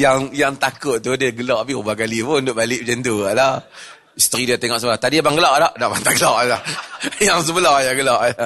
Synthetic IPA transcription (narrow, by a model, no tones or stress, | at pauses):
jaŋjaŋt̪akʊʔ̪̚t̪udaɡəlɔʔapiubakalipʊnnt̪ʊʔbalɪʔbd͡ʒɛnt̪uala | st̪əɾidiat̪eŋɔʔsəbəlaht̪adibaŋɡəlaʔdɔʔdaʔbant̪aʔɡəlaʔlahjaŋs̬əbəlɔjaɡəlɔʔa